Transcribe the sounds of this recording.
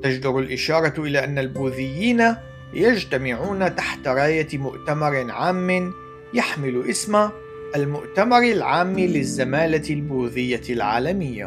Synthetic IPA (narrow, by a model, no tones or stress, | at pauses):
t̪ad͡ʒd̪ʊɾalʔɪʃɑːɾˤɑʔɪlaːʔanːalbuːðɪjːiːna | jad͡ʒt̪amɪʕuːnat̪aħt̪aɾˤɑːjamʊʔt̪amɑɾˤɪʕaːmːɪn | jaħmɪlʔɪsma | ʔalmʊʔt̪amɑɾˤɪlʕaːmːilɪzːamaːlalbuːðɪjːalʕa̰ːlamɪjːa̰